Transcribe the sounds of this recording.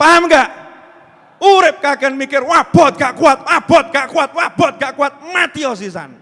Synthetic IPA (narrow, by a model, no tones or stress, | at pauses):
paamɡaʔ | uɾɪp̚kakɛnmikɪrwab̥ɔt̪̚ŋaʔkuat̪̚wab̥ɔt̪̚ŋɡaʔkuat̪̚wab̥ɔt̪̚ŋɡaʔkuat̪̚mat̪iɔsisa̰n